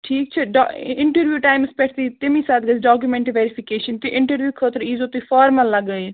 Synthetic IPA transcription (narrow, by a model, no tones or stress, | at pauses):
ʈʰiːk̚t͡ʃʰɛɖɪɳʈəɾʋjuːʈaːɪmspɛʈʰt̪iːt̪ɪmĩːsaːd̪̚ɡəsɖaːk̬jumɛ̃ɳʈːʋeːɾɪpʰɪkeːʃənt̪eːʔɪɳʈəɾʋjuːkʰoːt̪əɾiːzoːt̪iːfʰaːɾməlːəɡːəi